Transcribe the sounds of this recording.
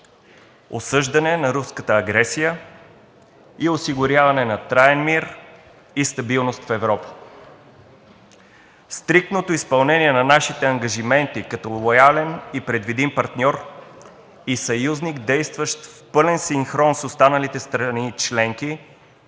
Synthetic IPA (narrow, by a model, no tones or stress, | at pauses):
o̰sɤʒd̪ɐnɛnɐɾuskət̪əːɡɾɛsijə | iosiɡʊɾʲjavɐnɛnɐt̪ɾaɛnmiɾ | ist̪ɐbilˠnost̪fɛvɾɔpə̥ | st̪ɾik̚t̪not̪oispɐlˠnɛnʲiɛnɐnaʃit̪ɛɐŋɡɐʒimɛnt̪ikɐt̪ɔlˠojalɛnipɾɛd̪vid̪impɐɾt̪nʲɔɾ | isɐjuzniɡd̪ɛjst̪vəʃt̪fpɤlɛnsiŋxɾɔnsost̪anəlit̪ɛst̪ɾɐnit͡ʃlɛŋk̟i